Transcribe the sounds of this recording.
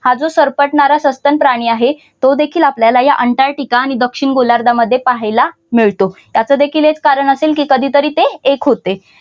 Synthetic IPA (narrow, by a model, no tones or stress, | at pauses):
had͡zosəɾpəʈɳaɾasəst̪ənpɾaɽ̃iːaɦe | t̪od̪ekʰiːlapljalajaʔəɳʈaɾʈikaːɽ̃id̪əkʂiɳɡolaɾd̪aməd̪ʱːjepaɦəjla | miɭt̪o | jat͡səd̪ekʰiːlɦet͡skaɾəɳəselkiːkəd̪ʱiːt̪əɾiːt̪eːkɦot̪e